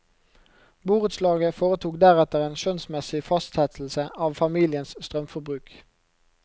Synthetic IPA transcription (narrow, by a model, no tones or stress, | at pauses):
buːʁʉt̪slɑːɡəfoːʁət̪ʰuːkd̪æʁɛt̪əʁeːnʃœnsmɛsɪfɑst̪hɛt̪ʰl̩səʔɑːʋfɑmiːlɪənsst̪ʁœmfɔbʁʉːk